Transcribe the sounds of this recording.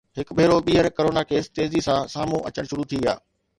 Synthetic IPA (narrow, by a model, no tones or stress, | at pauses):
ɦɪkbʱeːɾoɓiːɦəɾkɐɾoːnakeːst̪eːzisãsaːmũʔɐ̰t͡ɕəɽ̃ʃʊɾut̪ʰiʋa̰ː